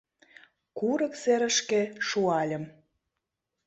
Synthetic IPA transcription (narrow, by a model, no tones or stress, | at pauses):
kuɾə̆kseɾə̆ʃkĕʃuɑlʲə̆m